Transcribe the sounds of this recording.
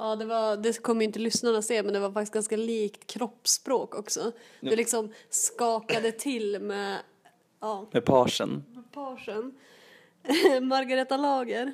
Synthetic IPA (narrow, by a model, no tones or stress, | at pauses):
ɑːd̪ɛvaɾd̪ɛkʰɔmːəjɪnt̪əlʏsnaɳaseːmɛnd̪ɛvaɾfakt̪ɪs̚ɡanskaliːkt̪kʰɾɔpːspɾoːkɔksɔd̪ɛlɪksɔmskɑːkad̪ət̪ʰɪlmɛ | ɑːmɛpʰɑːʂə̰npʰɑːʂən | maɾɡaɾɛt̪ːalɑːɡəɾ